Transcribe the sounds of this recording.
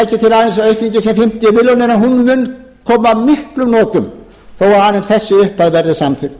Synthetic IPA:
jcɪt̪ʰɪlaːðɪnsœɥhkniɲcɪsɛmfɪm̥t̪jʏvɪlɔnɛɾanɦunmʏn | kʰɔːmamɪhklʏmnɔːt̪ʏm | θowvaɾaðɪnsθɛsːʏʏhpaðvɛɾðɪsamθfɪɾ

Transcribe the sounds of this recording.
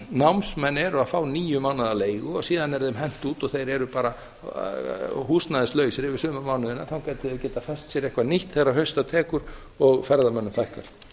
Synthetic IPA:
nawmsmɛnːɛɾafaːwniːjʏmawnaðaleːjɣʏɔɣsiːðanɛɾðemɦɛn̥t̪uːt̪ɔɣθejɾɛɾʏpaːɾa | huːst̪naðɪst̪lœːɥsɪɾɪvɪɾsʏːmamawnʏðɪnːaθawkaːjt̪ɪɪcɛːt̪afɛst̪sjɛɾejhkvaniht̪θerːaɦœɥst̪awt̪ʰɛːkʏɾ | ɔɣfɛɾðamœnːʏmfajhkaɾ̥

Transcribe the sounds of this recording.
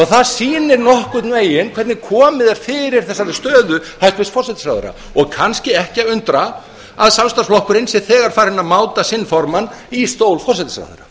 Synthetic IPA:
ɔɣθaðsiːnɪɾnɔhkʏt̪nveːjɪnkʰvɛɾt̪nɪkʰɔːmɪðɛɾ̥fɪːɾɪɾ̥θɛsːaʏst̪œːðʏhajlt̪vɪsfɔrsɛt̪ɪsɾawðʏ̰ɾa̰ | ɔɣkʰanscɪɛhcɪaʏnt̪ɾa | aðsamst̪asflɔhkʏɾɪjnsɪðθɛːɣaɾ̥faːɾhɪnːamaːwt̪asɪnːfɔɾmanist̪oːwlfɔrsɛt̪ɪsɾa̰wð̰ɾa

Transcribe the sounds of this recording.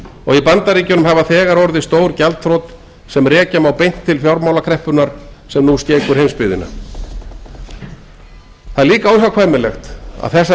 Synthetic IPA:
ɔɣipant̪aɾiːcʏnʏmɦavaθɛːɣaɾɔɾðɪst̪oːwɾcalt̪fɾowt̪ | sɛmrɛːcamawpejn̥t̪ʰːɪlfjawɾmawlakʰɾɛhpʏnaɾ̥sɛmnusc̪ɛːkʏɾ̥hejnmspɪðɪna̰ | θaðliːkawɛsakʰvaːjmɪlɛxt̪a̰ðθɛsː

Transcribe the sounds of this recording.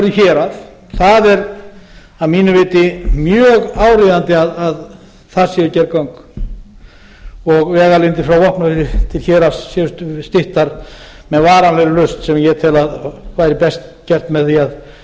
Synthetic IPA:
ɾðʏçɛːɾað | θaðɛɾ | awmiːnʏvɪːt̪ɪmjœːɣaːwɾɪðant̪ɪaðað | θaɾ̥sjɛðʏcɛɾkawŋk | ɔɣvɛːɣalɪnt̪ɪfɾawvɔhpnasɪt̪ʰɪlçɛːɾassjɛʏsst̪ɪht̪aɾ | mɛðvaːɾanlɛjɾɪlʏst̪sɛmjɛt̪ʰɪlaðkʰvaːjɾɪpɛst̪cɛr̥t̪mɛðθiað

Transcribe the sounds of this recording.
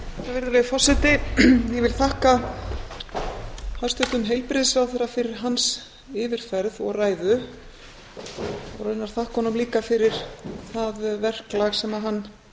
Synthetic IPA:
avɪɾðalɛɣfɔ̥sɪt̪ɪjɛvɪlθahka | hast̪ʏt̪ʏmɦejlpɾɪðɪsvawθɛɾafɪɾɪɾ̥ɦans | ɪːvɪɾ̥fɛɾðɔɣraːjðʏ | ɔrœɥnaɾ̥θahkɔnʏmliːkafɪɾɪɾ̥θaðvɛr̥klaɣsɛmaɦanː

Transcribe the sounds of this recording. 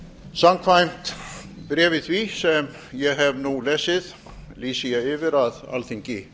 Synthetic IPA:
samkʰvajm̥t̪ | pɾɛːvɪθvisɛm | jɛɦɛvnulɛːsɪð̥ | liːsiaɪːvɪɾaða̰lθiŋcɪ

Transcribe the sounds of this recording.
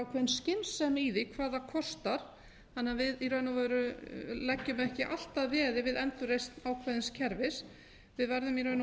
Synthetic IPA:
awkʰvɛːðɪnscɪnsːɛmiðɪkʰvaːðakʰɔst̪aɾ̥ | hanːavɪðiɾœɥnavaɾʏlɛcːʏmɛhcɪʔa̰l̥t̪aðvɛːðɪvɪðɛnt̪ʏrejst̪nawkʰvɛðɪnscʰɛɾvɪs | vɪðvɛɾðʏmiɾœɥn

